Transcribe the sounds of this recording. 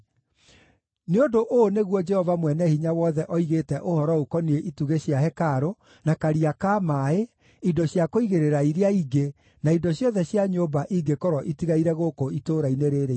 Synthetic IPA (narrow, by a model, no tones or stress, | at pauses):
neondoʔoneɣwɔd͡ʒɛhɔvamwɛnɛhiɲawɔðɛʔɔiɣetɛʔohɔɾɔokɔnieʔituɣeɕjaɦɛkaɾo | nakaɾiakaːmae | idɔɕjakoiɣeɾeɾaiɾeaiɡe | naidɔɕjɔðɛɕjaɲoːbaʔiɡekɔɾɔʔitiɣaiɾɛɣokoitoːɾaineɾeɾe